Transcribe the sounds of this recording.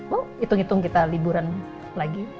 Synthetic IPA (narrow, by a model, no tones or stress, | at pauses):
oit̪ʊŋit̪ʊŋkit̪alibuɾan | laɡi